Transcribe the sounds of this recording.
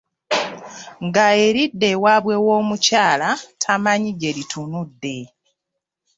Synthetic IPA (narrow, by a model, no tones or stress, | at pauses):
ŋɡae̞ɾidːe̞waːβwe̞wo̞ːmucaːlatʰamaɲiɟe̞litʰunudːe̞